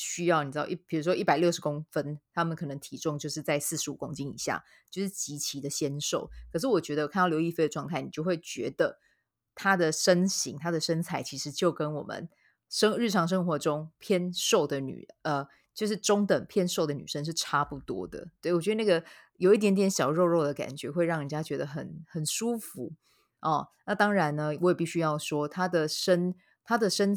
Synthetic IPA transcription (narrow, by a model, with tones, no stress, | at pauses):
ɕy˥jɑ˥˩ʊni˨˩ɻ̩˥˩ɑ̰˥˩˧pʰi˨˩ɻu˧˥ʂwɔ˥i˥˩pa˨˩ɪljo˥˩ʊʂɻ̩˧˥kʊ˥ŋfə˥nt̪ʰa˥mə˨nkʰɤ˨˩nɤ˧˦ŋt̪ʰi˧˥ʈ͡ʂʊ˥ŋt͡ɕjo˥˧ʊʂɻ̩˥˧t͡sa˥˧ɪsɹ̩˥˩ʂɻ̩˧˥ṵ˨˩kʊ˥ŋt͡ɕi˥ŋḭ˨˩ɕja̰˥˩ | t͡ɕjo˥˧ʊʂɻ̩˥˩t͡ɕi˧˥t͡ɕʰi˧˥d̪ə˨ɕjɛ˥nʂo˥˩ʊkʰɤ˨˩ʂ̬ɻ̩˥˩wɔ˨˩t͡ɕɥɛ˧˥d̪ə˧kʰa˥˩n˥˩jo˧˥ʊi˥˧˩fe˥ɪd̪ə˩ʈ͡ʂwɑ˥˧ŋt̪ʰa˥˩ni˨˩t͡ɕjo˥˧ʊwe˥˩ɪt͡ɕɥɛ̰˧˥d̪ə˧˨ | t̪ʰa˥d̪ə˨ʂə˥nɕi˧˥ŋt̪ʰa˥d̪ə˨ʂə˥nt͡sʰa˧˩ɪt͡ɕʰi˧˥ʂɻ̩˧˥t͡ɕjo˥˩ʊkə˦nwɔ̰˨˩mə̰˨˦n | ʂə˥ŋɻɻ̩˥˩ʈ͡ʂʰɑ˧˥ŋʂ̬ɤ˥ŋxwɔ˧˥ʈ͡ʂʊ˥ŋpʰjɛ˥˧nʂo˥˩ʊd̪ə˩ny̰˨˩ʔə˧ | t͡ɕjo˥˧ʊʂɻ̩˥˩ʈ͡ʂʊ˥ŋt̪ə˨˩npʰjɛ˥˧nʂo˥˩ʊd̪ə˩ny̰˨˩ʂə˥˦ŋʂɻ̩˥˩ʈ͡ʂʰa˥pu˥˩t̪wɔ̰˥d̪ə̰˨t̪we˥˩ɪwɔ˨t͡ɕɥɛ˧˥d̪na˥˩ɡə˩ | jo˨˩ʊi˥˩t̪jɛ˧˥nt̪jɛ˧˥nɕjɑ˨˩ʊɻo˥˧ʊɻo˥˩ʊd̪ə˩ka̰˨˩nt͡ɕɥɛ˧˥xwe˥˧ɪɻɑ˥˩ŋni˨˩t͡ɕja˥t͡ɕɥɛ˧˥d̪ə˧xə˨˩˦nxə˨˩nʂu˥˦fu˧˥˦ | ɔ˥˩na˥˨t̪ɑ˥ŋɻa˧˦nnə˧wɔ˨˦jɛ˨˩pi˥˩ɕy˥jɑ˥˩ʊʂwɔ˥t̪ʰa˥d̪ə˨ʂə˥n | t̪ʰa˥d̪ə˨ʂə˥n